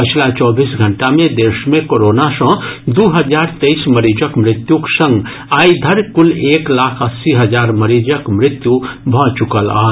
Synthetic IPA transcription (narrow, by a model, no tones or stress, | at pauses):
pət͡ʃʰlat͡ʃɔbʱisɡʱəɳʈamed̪esmekoɾonasə̃ɦd̪uɦəd͡ʒaɾt̪eisməɾid͡ʒəkmɾɪt̪juksə̃ŋɡ | aid̪ʱəɾkuleklakʰəsiɦəd͡ʒaɾməɾid͡ʒəkmɾɪt̪jubʱɔ̃t͡ʃukəla̰ɦt̪